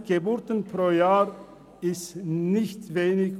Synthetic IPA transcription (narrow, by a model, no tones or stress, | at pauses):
ɡ̥ebʊɾtənpʁ̥oːjaːʁ | ɪstnɪçtveːnɪç